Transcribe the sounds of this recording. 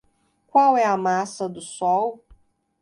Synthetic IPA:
kwawɛɐmasɐd̪ʊsɔw

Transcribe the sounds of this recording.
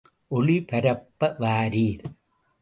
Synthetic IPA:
ʔɔɭipɐɾɐpːɐʋaːɾiːɾ

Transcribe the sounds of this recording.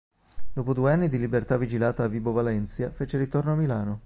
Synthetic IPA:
d̪oːpod̪uːeanːid̪ilibert̪avːid͡ʒilaːt̪aːvːiːbovalɛnt̪sjafeːt͡ʃeɾit̪ornoamːilaːno

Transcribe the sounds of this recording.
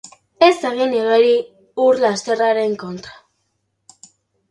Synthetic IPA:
e̞seɣineɣeɾi | uɾlast̪e̞raɾe̞ŋko̞nt̪ɾḁ

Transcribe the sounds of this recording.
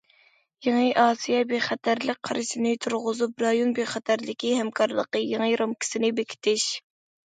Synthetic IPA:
jeŋɨʔɑːsijɛbeχɛt̪ʰæɾlək̚ʲqʰːɑɾɨsɪnɪt̪ʰuɾʁʊzup̚ɾɑjonbeχɛt̪ʰæɾlɪkʲihɛmkʰɑɾlˠəqəjeŋɨɾɑmkʲi̥sɪnɪbekʲʰi̥t̪ʰɪʃ

